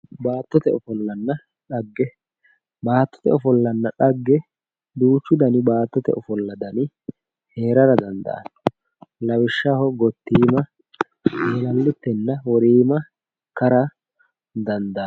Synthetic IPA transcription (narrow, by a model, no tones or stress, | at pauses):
baːt̪ːɔt̪ɛɔfɔlːɐnːɐ | ᶑɐɡːɛ | baːt̪ːɔ̥t̪ɛɔfɔlːɐnːɐᶑɐɡːɛ | d̪uːt͡ʃːʊd̪ɐnɪbaːt̪ːɔt̪ɛ̰ʔɔfɔlːɐd̪ɐnɪ | he̞ːɾɐɾɐd̪ɐnd̪ɐ̰ʔɐ̰n | lɐwɪʃːɐhɔɡɔt̪ːiːmɐ | eːlɐlːʊt̪ːɛnːɐwɔɾiːmɐ | kɐɾɐ | d̪ɐnd̪ɐ